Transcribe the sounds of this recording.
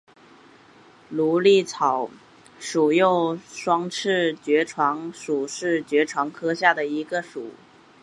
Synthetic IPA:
lu˧˥li˥˩t͡sʰɑ˨˩˦ʊ | ʂu˨˩jo˥˩ʊʂwɑ˥ŋʈ͡ʂʰɻ̩˥˩t͡ɕɥɛ˧˥ʈ͡ʂʰwɑ˧˥ŋʂu˨˩ʂɻ̩˥˩t͡ɕɥɛ˧˥ʈ͡ʂʰwɑ˧˥ŋkʰɤ˥ɕja˥˩d̪ə˩i˧˥ɡə˧ʂu˨˩˦

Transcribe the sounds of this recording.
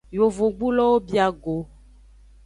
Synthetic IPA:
jo˨vo˨ɡ͡bu˦lɔ˦wo˦bi˦a˨ɡo˨

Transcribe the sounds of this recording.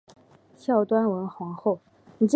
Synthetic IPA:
ɕjɑ˥˩ʊt̪wa˥nwə˧˥nxwɑ˧˥ŋxo˥˩ʊ | ni˨˩ʈ͡ʂ

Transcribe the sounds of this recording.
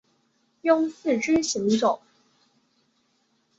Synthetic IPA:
jʊ˥˧ŋsɹ̩˥˩ʈ͡ʂi˥ɕi˨˧˥ŋʈ͡ʂʊ˨˩˦ŋ

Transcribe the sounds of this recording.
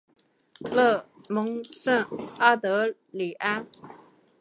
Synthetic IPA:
lɤ˥˩mʊ˧˥ŋʂə˥˩ŋa˥t̪ɤ˧˥ | li˨˩ʔa˥n

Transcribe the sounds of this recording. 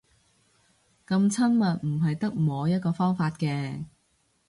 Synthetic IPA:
kɐ˧mt͡sʰɐ˥nmɐ˨t̚m̩˨˩ɦɐ˨jt̪ɐ˥k̚moː˨˧jɐ˥t̚kɔː˧fɔː˥ŋfaː˧t̚kɛː˧

